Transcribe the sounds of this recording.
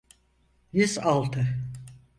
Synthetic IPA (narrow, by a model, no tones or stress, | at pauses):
jɯsalˠt̪ʰɯ